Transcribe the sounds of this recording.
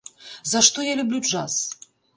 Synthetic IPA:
zɐʂt̪ojalʲublʲuʐas

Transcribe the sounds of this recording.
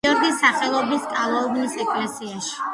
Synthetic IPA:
ɔɾɡisaχɛlˠɔbɾiskʼalˠaubnisɛkʼlɛsiaʃi̥

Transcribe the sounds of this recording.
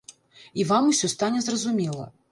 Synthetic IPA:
ivamusʲɔst̪anʲɛzrɐzumʲɛlˠɐ̰

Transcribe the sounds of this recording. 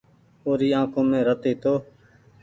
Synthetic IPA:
oːɾiːãːkʰõːmẽːɾət̪eːt̪oː

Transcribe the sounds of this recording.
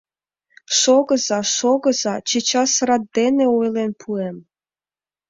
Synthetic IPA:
ʃoɣɤ̆zɑʃoɣɤ̆zɑt͡ɕet͡ɕɑsəɾɑt̪̚d̪eneojlenpʰuem

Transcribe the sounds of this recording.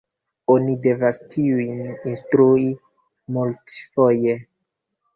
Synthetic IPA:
o̞nide̞vastʰiujninstɾui | multfo̞je

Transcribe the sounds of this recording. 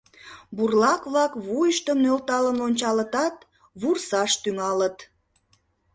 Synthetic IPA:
burlɑkβlɑkβujəʃt̪əmnølt̪ɑləmlonʲt͡ɕɑlət̪ɑt̪̚ | βursɑʃt̪yŋɑlət̪

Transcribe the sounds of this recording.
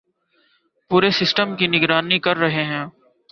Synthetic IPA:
puːɾesɪsʈəmkinɪɡɾaːnikɐɾːɐɦeɦɛ̃ː

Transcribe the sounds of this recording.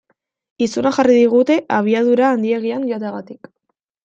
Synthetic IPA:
isunaxariðiɣ̞ut̪e̞ʔaβ̞iaðuɾaːnd̪ieɣ̞ianʎot̪eɣat̪ik

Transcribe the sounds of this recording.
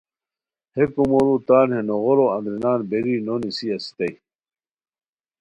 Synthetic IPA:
hekumolut̪aːnhenoɣoɾoɐŋɡɾinaːnbeɾinonisiɐsi̥t̪ɐj

